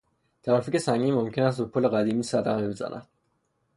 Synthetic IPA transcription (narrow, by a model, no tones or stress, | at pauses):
t̪ʰæɾæficesæŋɡiːmomcʰenæst̪bopʰoleɣæd̪iːmiːsæd̪æmibezæ̰nʔæ̰d̪̥̚